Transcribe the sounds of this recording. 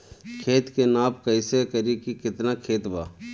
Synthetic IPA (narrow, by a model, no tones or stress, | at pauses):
kʰeːt̪kenaːp̚kɐɪsekɐɾikikɪt̪nakʰeːt̪baː